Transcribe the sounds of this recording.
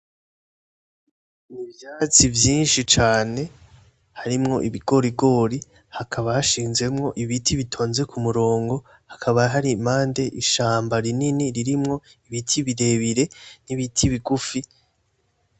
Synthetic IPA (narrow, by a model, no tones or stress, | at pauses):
niβjat͡sivjiːnʃit͡ʃaːne̞ | haɾimŋo̞̰ʔiβiɡ̥o̞ɾiɡo̞ːɾi | hakʰaβahaʃiːnzɡwe̞mŋo̞ʔiβitʰiβitʰo̞ːnze̞kumuɾo̞ːŋɡo̞ | hḁkʰaβaɦaɾimaːnde̞ʔiʃaːmbaɾininiɾiɾimŋo̞ | iβitʰiβiɾe̞βiɾe̞niβitʰiβiɡufi